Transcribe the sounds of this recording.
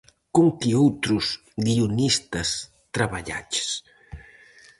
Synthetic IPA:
koŋkiowt̪ɾus | ɡiunist̪ɐs | t̪ɾaβaʎa̰t͡ʃe̥s

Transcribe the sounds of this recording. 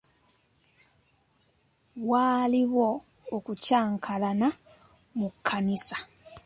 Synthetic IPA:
waːliβwo̞ː | kucaːŋkʰalana | mukʰːanisḁ

